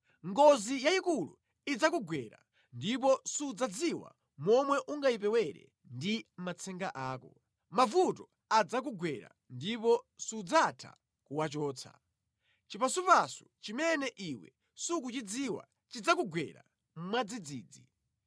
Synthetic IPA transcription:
ŋɡɔzijaikulṵ | id͡zakuɡwɛɾa̰ | ndipɔsuːd͡zad͡ziwa̰ | mɔmwɛʔuŋɡaip̬ɛwɛɾɛ̰ | ndimat͡sʰɛŋɡaʔaːkɔ | mavutɔ | ad͡zak̬uɡwɛɾa̰ | ndipɔsuːd͡zatʰa̰ | kuwat͡ʃɔːt͡sʰa̰ | t͡ʃipasupasu̥t͡ʃimɛnɛʔiwɛ̰ | sukut͡ʃid͡ziwa̰ | t͡ʃid͡zakuɡwɛ̰ɾa̰ | mmwad͡zid͡ziːd͡zi

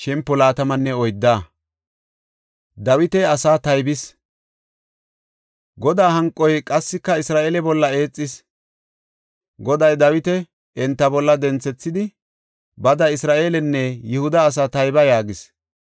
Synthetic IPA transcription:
ʃɛmpːɔlaːt̪ɐmɐnːɛɔjd̪ːaː | d̪ɐwɪt̪ɛɐsaːt̪ɐjbɪs | ɡɔd̪aːɦɐŋkʼːɔjkʼɐsːɪkːɐɪsɾaːʔe̞ːlɛbɔlːɐe̞ːt͡sʼːɪs | ɡɔd̪ɐjd̪ɐwɪt̪ɛ | ɛnt̪ːɐbɔlːɐd̪ɛnt͡sːɛt͡sːɪd̪ɪ | bɐd̪ɐɪsɾaːʔe̞ːlɛnːɛjʊhʊd̪ɐːs̬aːt̪ɐjbɐjaːɡɪs

